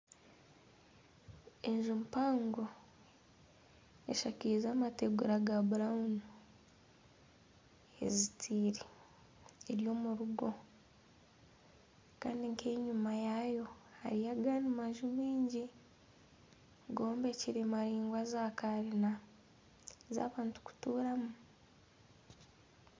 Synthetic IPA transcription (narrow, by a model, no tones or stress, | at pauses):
e̞ɲʒumpaːŋɡo | eʃakizaːmateɡuɾaɡabuɾaunu | e̞̰zitʰiːɾi | eɾjo̞ːmuɾuɡo̞ | ka̰ːndiŋkʰeːɲumajajo̞ha̰ɾijaɡaːnimaʒumiːɲɟi | ɡo̞ːmbe̞ciɾimaɾiːŋɡwazakaɾina | za̰ːβaːntu̥ku̥tuːɾamu